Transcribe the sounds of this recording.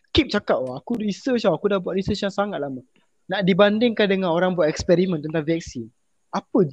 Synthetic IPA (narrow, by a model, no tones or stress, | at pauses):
kip̚t͡ʃakap̚oakuɾisət͡ʃawakudahbuwat̪ɾisət͡ʃjaŋsaŋat̪̚lama | naʔdibandɪŋkandəŋãnoɾaŋbuat̪ɛkspɛɾimə̃nt̪ənt̪aŋvɛk̚sin | apəd͡ʒ